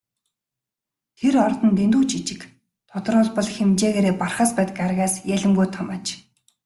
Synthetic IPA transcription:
t̪ʰeɾɔrt̪ɞ̆nt̪ent̪uːt͡ɕʰit͡ɕɪ̆k | t̪ʰʊt̪ɞ̆rʊːɮpɔ̆ɮxemt͡ɕeːɣeːɾeːparχəːspæːt̪ə̆karɣaːsjæɮʲɘ̆mɡujt̪ʰɔmœːt͡ɕ

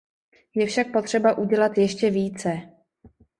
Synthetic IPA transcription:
jɛfʃak̚po̞t̪r̝̥ɛbaʔuɟɛlat̪jɛʃcɛviːt͡sɛ

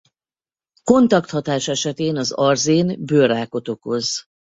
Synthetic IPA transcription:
ko̞nt̪ɒkt̪hɒt̪aːʃɛʃɛt̪eːnɒzɒrzeːnbøːɾaːko̞t̪o̞kho̞z

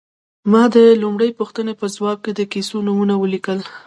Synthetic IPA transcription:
mɑd̪əlumɽəjpuxt̪ənepəzwɑb̚ked̪əkisonumunawəlikəl

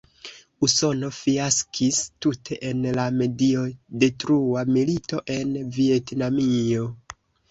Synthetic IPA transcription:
uso̞no̞fiaskʰistutʰe̞ʔenlame̞dio̞de̞tɾuamilito̞ʔe̞nvie̞tnamio̞

